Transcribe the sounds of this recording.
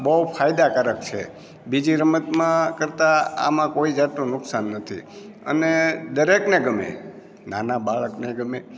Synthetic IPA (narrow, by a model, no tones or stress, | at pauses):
bəwpʰajd̪akəɾək̚t͡ʃʰḛ | bid͡ʒiɾəmət̪mãkəɾt̪aa̰mãkoid͡ʒat̪ũnʊksanːət̪ʰḭ | ə̰ned̪əɾekneɡəmḛ | nanabaɭəkneɡəme